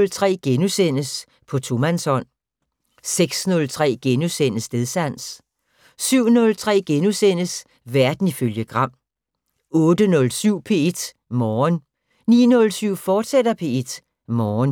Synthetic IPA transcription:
lt͡sʰʁɛ̰ːɡ̥enusen̰əs | pʰɒ̽t͡sʰo̝mænshɒ̽n̰ | seɡ̥snɔ̽lt͡sʰʁɛ̰ːɡ̥enusen̰əsne̝ðˠsæn̰s | syʊ̰nɔ̽lt͡sʰʁɛ̰ːɡ̥enusen̰əs | ʋæɐd̥n̩iføljəɡ̥ʁɑ̈m̰ | ɔ̽ːd̥ənɔ̽lsyʊ̰pʰe̝̰ːed̥ | mɒːnː | ḭːnɔ̽lsyʊ̰fɒːd̥sed̥ɐpʰe̝̰ːe̝d̥ | mɒːn

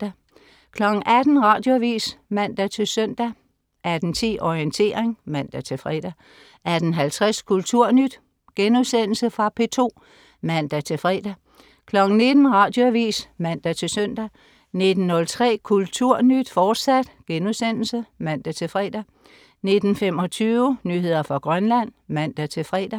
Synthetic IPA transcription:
æ | kʰlɒ̽ɡ̥ŋ̩ʔæd̥n̩ʁɑ̈ːd̥joæʋḭːsmæn̰d̥æt͡sʰe̝lsœn̰d̥æ | ʔæd̥n̩t͡sʰḭːʔɒiənt͡sʰe̝̰ːɐʁeŋmæn̰d̥æt͡sʰe̝lfʁɛːd̥æ | æd̥n̩ɦælt͡sʰʁɛskʰult͡sʰuɐ̰nyd̥ | ɡ̥enuðˠsen̰l̩səfʁɑ̈pʰe̝t͡sʰo̝̰ː | mæn̰d̥æt͡sʰe̝lfʁɛd̥æ | kʰlɒ̽ɡ̥n̩ne̝d̥n̩ʁɑ̈d̥jo̝æʋḭːsmæn̰d̥æt͡sʰe̝sœn̰d̥æ | ne̝d̥n̩ːɔ̽lt͡sʰʁɛ̰ːkʰult͡sʰuɐ̰nyd̥fɒːd̥sæd̥ɡ̥enusen̰l̩səmæn̰d̥æt͡sʰe̝lfʁɛd̥æ | ne̝d̥n̩fem̰ɒ̽t͡sʰyːʊənyɦe̝ð̞̰ˠɐfʁɑ̈ɡ̥ʁɶnlæn̰mæn̰d̥æt͡sʰe̝lfʁɛ̰ːd̥æ

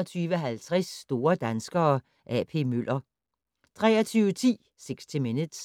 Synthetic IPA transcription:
ɒt͡sʰyːʋəɦælt͡sʰʁɛsd̥o̝ːɐd̥ænsɡ̥ɐɒ̽ | ʔɛ̰ːpʰe̝̰ːmøl̰ɐ | t͡sʰʁɛ̰ːɐt͡sʰyːʋət͡sʰḭː | seɡ̥st͡sʰimenəd̥s

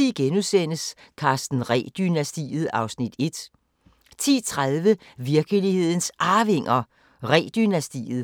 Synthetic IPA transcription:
iiɡ̥enuðˠsen̰əs | kʰɑ̈ːsd̥n̩ʁɛ̰ːd̥ynæsd̥ḭːð̩ˠɑ̈ʊsnid̥e̝d̥ | t͡sʰḭːt͡sʰʁaðˠʋə | ʋiɐɡ̥əlihe̝ð̞̰ˠn̩sʔɑːʋe̝ŋ̰ɐ | ʁɛ̰ːd̥ynæsd̥ḭːð̩ˠ

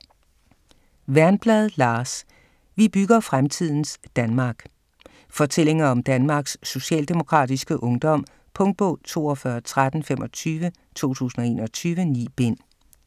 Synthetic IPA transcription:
ʋæɐnb̥lɛð̩ˠlɑ̈ːs | ʋib̥yɡ̥ɐfʁamt͡sʰið̞̰ˠn̩sd̥ænmɑ̈ːɡ̥ | fɒ̽t͡sʰel̰e̝ŋɐɒ̽md̥ænmɑ̈ːɡ̥sːo̝ɕɛ̰ːld̥e̝mo̝kʰʁɑ̰̈ːd̥isɡ̥əʔɔ̽ŋd̥ɒ̽m̰ | pʰɔ̽ŋd̥̚b̥ɔːt͡sʰo̝̰ːɒfɶɐt͡sʰʁad̥n̩femʔɒ̽t͡sʰyːʋə | t͡sʰo̝̰ːt͡sʰṵːsn̩ɒe̝̰ːnɐt͡sʰyːʋənḭːb̥e̝n̰

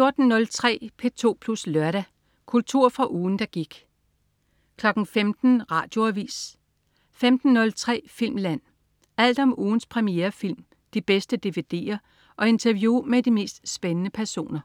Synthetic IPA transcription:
jo̝ɐd̥n̩ːɔ̽lt͡sʰʁɛ̰ːpʰe̝t͡sʰo̝̰ːpʰluslœɐɾæ | kʰult͡sʰuɐ̰fʁɑ̈ʔuːn̩d̥ɑ̈ɡ̥iɡ̥ | kʰlɒ̽ɡ̥n̩femd̥n̩ʁɑ̈ːd̥jo̝æʋḭːs | femd̥n̩ːɔ̽lt͡sʰʁɛ̰ːfil̰mlæn̰ | æl̰d̥ɒ̽muːn̩spʰʁɛmieːɐfil̰m | d̥ib̥esd̥əd̥e̝ʋe̝d̥e̝̰ːɐ | ʔɒ̽e̝nt͡sʰæɐʋjumed̥ime̝̰ːsd̥sb̥enənəpʰæɐso̝̰ːnɐ

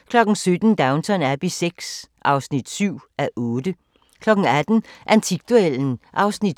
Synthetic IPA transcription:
kʰlɒ̽ɡ̥n̩sød̥n̩d̥ɑ̈ʊnsʰɒnæb̥iseɡ̥sʔɑ̈ʊsnid̥syʊ̰æʔɔːdə | kʰlɒ̽ɡ̥ŋ̩æd̥n̩ʔænt͡sʰiɡ̥̚d̥ʰuel̰n̩ʔɑ̈ʊsnid̥

